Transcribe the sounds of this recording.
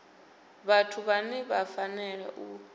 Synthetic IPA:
βatʰuβanɛβafanɛɺɛ̰ʔu

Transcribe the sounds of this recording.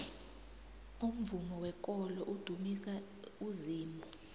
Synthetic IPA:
ŋum̩vumɔwɛk̬ʼɔlɔʔud̥ʱumisa | uziːmɔ

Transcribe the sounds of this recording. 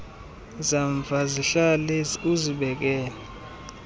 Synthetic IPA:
zaɱvʱaziɬalɛuziɓɛk̬ɛːlɛ

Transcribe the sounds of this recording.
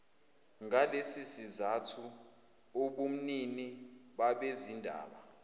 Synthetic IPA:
ŋalesisizatʰu | oɓum̩niniɓaɓezindʱa̰ːɓa

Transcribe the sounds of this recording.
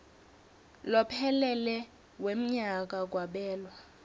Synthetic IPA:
lɔpʰɛlɛlɛ | wem̩ɲak̬ak̬ʼwaɓɛːlwa

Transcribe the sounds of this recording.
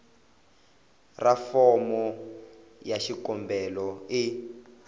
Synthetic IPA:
rafɔmɔ | jaʃikɔmbɛlɔi

